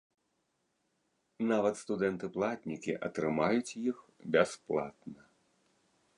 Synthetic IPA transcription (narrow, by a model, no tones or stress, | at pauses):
navɐt̪st̪ud̪ɛnt̪ɨplˠat̪ʲnʲikʲiʔɐt̪ɾɨmajut͡sʲjixbʲɛsplˠa̰t̪nɐ